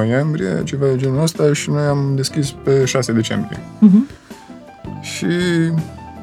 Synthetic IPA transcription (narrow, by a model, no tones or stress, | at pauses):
ojembɾiḛt͡ʃe̞vaed͡ʒenuləst̪aʃino̞jamd̪e̞skʲispe̞ʃase̞d̪e̞t͡ʃe̞mbɾḭḛ | ʃi